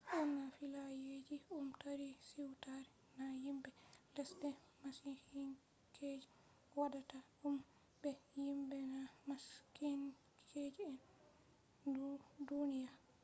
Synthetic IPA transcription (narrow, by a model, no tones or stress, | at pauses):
ʔumnafilajed͡ʒiʔumtaɾisiwtaɾɛ | najimbɛlɛsdɛ | masikin | kʰed͡ʒi | wadataʔum | bɛjimbɛnamaskin | kʰed͡ʒiɛn | dudunija